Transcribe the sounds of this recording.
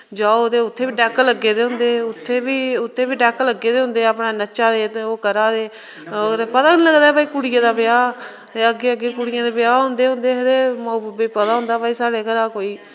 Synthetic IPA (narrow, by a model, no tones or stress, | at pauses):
d͡ʒaːoːt̪eːʊt̪ʰːeːbiːɖɛːkləɡeːd̪eːɦʊ̃nd̪eːʊt̪ʰːeːbiːʊt̪ʰːeːbiːɖɛːkləɡːeːd̪eːɦʊ̃nd̪eːəːpɽaːnət͡ʃaːd̪eːt̪oːkəɾaːd̪eː | ɾpət̪aːknĩləɡd̪aːɛpaːiːkuɽɪjãːd̪aːbɪjaː | t̪eːəɡeːəɡːeːkuɽɪjãːd̪eːpɪjaːɦʊ̃nd̪eːɦʊ̃nd̪eːɦəd̪eːmoːbbeːpət̪aːɦʊ̃nd̪aːpaːiːsaːɽeːkəɾaːkoːiː